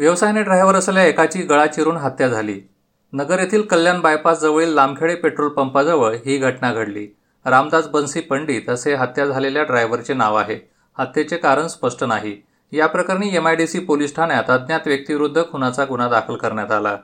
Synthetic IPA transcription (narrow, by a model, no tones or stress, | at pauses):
ʋjəʋsajneɖɾajʋəɾəseljaekat͡ɕiːɡəɭat͡ɕiɾuːnɦat̪jad͡zʱaliː | nəɡəɾjet̪ʰiːlkəljanbajpasd͡zəʋɭiːlːam̚kʰeɭepeʈɾolpəmpad͡zəʋəɭɦiːɡʱəʈɳaɡʱəɽlḭː | ɾamd̪ad͡zbənsiːpəɳɖiːt̪əseɦat̪jad͡zʱaleljaɖɾajʋəɾt͡ɕenaʋaɦe | hat̪jet͡sekaɾəɳspəʂʈənaɦiː | japɾəkaɾniːemajɖisiːpolisʈʰanjat̪əd̪njat̪ʋjək̚t̪iʋiɾud̪ʱːəkʰunat͡saɡuñad̪akʰəlkəɾɳjat̪ala